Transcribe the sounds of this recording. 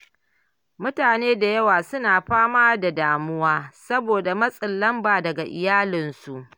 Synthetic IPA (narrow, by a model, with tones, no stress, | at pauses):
mʊ˦taː˨neː˦da˨jɐ˦waː˨sʊ˦naː˨ɸaː˦maː˦da˨daː˨mʊ˦waː˦sɐ˦boː˨da˨mɐ˦sʼɪ˨lːɐ˦mbaː˨dɐ˨ɡa˨ʔɪ˨jaː˦lɪ˨nsu˨ʔ